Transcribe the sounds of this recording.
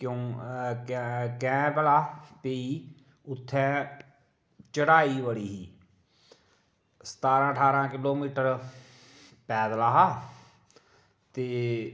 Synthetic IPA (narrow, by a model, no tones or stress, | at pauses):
kjõːkkɛ̃ːpəlaːpeiː | ʊt̪ʰːɛ̃ː | t͡ʃəɽaːiːʋəɽiːɦiː | sə̥t̪aːɾãːəʈʰaːɾãːkɪloːmiːʈəɾ | pɛːd̪laːɦaː | t̪eː